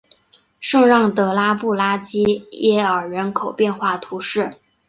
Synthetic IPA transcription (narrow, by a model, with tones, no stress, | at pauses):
ʂɤ˥˧ŋɻɑ˥˩ŋt̪ɤ˧˥la˥pu˥˩la˥t͡ɕi˥jɛ˥ə˞˨˩ɻə˧˥nkʰo˨˩ʊpjɛ˥˧nxwa˥˩t̪ʰu˧˥ʂɻ̩˥˩